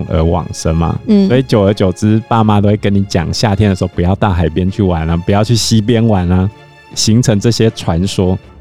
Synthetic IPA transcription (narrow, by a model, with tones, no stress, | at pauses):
ŋʔə̰˧˥wɑ̰˨˩ŋʂə˦˥nmɐ̰˨sɔ˧˦˥i˨˩t͡ɕjo˨ʊə˞˨˧˥t͡ɕjo˨˩ʊt͡sɻ̩˥pa˥˩ma˧˦t̪o˥ʊwe˥˩kə˦ni˨˦t͡ɕjɑ̰˨˩ŋɕja˥˨t̪ʰjɛ˥nd̪ə˩ʂɻ̩˧xo˥ʊpu˨˦jɑ˥˧ʊt̪a˥˩xa˨˩ɪpjɛ˥˦nt͡ɕʰy˥˩wa˧˦na˦pu˨˩jɑ˥˧ʊt͡ɕʰy˥˩ɕi˦p̬jɛ˦nwa˨˦na˧ | ɕi˧˥ŋt͡sʰɤ˧˥ŋʈ͡ʂɤ˥˩ɕjɛ˦t͡sʰwa˧˦nʂwɔ˥